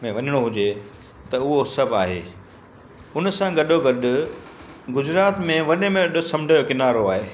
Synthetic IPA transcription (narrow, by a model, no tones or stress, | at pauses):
mẽʋɐɲəɽ̃oɦʊd͡ʑe | t̪ɐʊɦosɐbʱaːɦḛː | ʊnsãɡɐɗoɡɐɗʊ̆ | ɡʊzɾaːt̪mẽʋɐnemẽɐɗʊ̆sɐmɪɖʱajokɪnaːɾoaːɦeː